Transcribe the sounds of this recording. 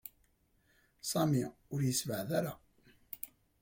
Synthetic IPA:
sˤɑmiʊɾjəsvəʕðaɾa

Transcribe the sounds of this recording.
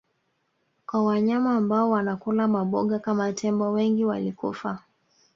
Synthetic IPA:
kwawaɲamaːmbaɔwanakulamaɓɔɠakamatʰɛmbɔwɛŋɡiwa̰likṵfa

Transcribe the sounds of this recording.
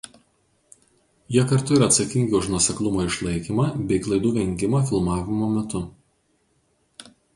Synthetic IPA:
jiɛkɐɾt̪ʊɪɾɐːt̪sɐkʲɪŋʲɡʲɪʊʃnuɔsʲɛklˠʊmoːɪʃlˠɐɪkʲimɑːbʲɛɪklˠɐɪd̪uːʋʲɛŋʲɡʲɪmɑːfʲɪlˠmɑːʋʲɪmoːmʲɛt̪ʊ

